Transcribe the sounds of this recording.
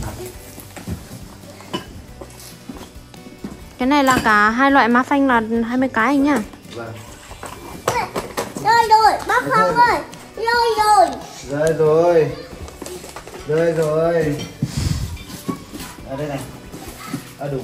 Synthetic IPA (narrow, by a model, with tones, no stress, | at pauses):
kaː˨˦jna˨˩jlaː˨˩kaː˨˧˩ɦaː˧jlwa̰ː˧˨jmaː˨˦fa˧ŋ̟laː˨˩ɦaː˧jmɨ˧jkaː˨˦ʔa˧˩ŋ̟aː˧˩ | və˨˩ŋ˧ | zəː˧˩jzo˨˩jɓaː˧˦faː˨˧˦wzə˧˩j | zə˧˩jzo˨˩jzəː˨˩jzo˨˩j | zəː˨˧˩jzo˨˩j | ʔaː˧ɗʊ˨˧˦